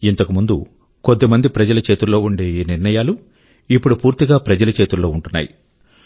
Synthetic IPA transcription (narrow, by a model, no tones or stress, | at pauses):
int̪ɐkumund̪u | kod̪ːemɐnd̪ipɾɐd͡ʒɐlɐt͡ʃe̞ːt̪ulo̞ːuɳɖe̞ːiːniɾɳɐjaːlu | ipːuɽupuːɾt̪iɡaːpɾɐd͡ʒɐlɐt͡ʃeːt̪ulo̞ːuɳʈunːa̰ːji